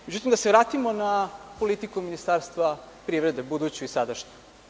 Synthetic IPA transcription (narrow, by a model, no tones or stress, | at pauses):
med͡ʑut̪imd̪aseʋɾaːt̪imo̞napo̞lit̪ikuminist̪aːɾst̪ʋapɾiʋɾe̞d̪ebud̪ut͡ɕuisad̪aʃɲe̥